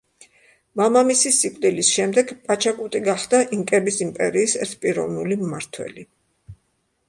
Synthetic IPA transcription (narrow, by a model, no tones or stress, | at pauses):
mamamisisːikʼd̪ilisʃɛmd̪ɛɡpʼat͡ʃʰakʼut̪ʼiɡaχd̪aʔiŋkʼɛbisimpʼɛɾiːsɛ̰ɾt̪ʰpʼiɾɔ̰vnulimːaɾt̪ʰwɛ̰li